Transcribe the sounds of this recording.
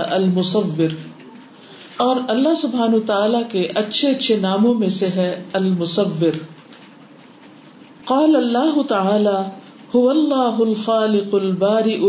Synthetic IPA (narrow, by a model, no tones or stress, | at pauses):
ʔɐlmʊsɐʋːɪɾ | ɔːɾɐlːaɦsʊbɦaːnut̪aaːlakeʔɐtːʃʰeɐtːʃʰenaːmõmẽseɦɛɐlmʊsɐʋːɪɾ | qɑːlɐlːaːɦʊt̪ɐaːlaː | hʊʋɐlːaːɦʊlxaːlɪqʊlbaːɾɪʔʊ